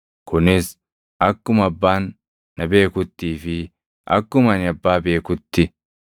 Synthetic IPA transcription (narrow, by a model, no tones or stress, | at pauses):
kʊnɪs | ʔɐkːʊmɐbːaːnː | ɐbe̞ːkʊt̪ːiːfɪ | ʔɐ̰kːʊmɐnɪɐbːaːbe̞ːkʊt̪ːɪ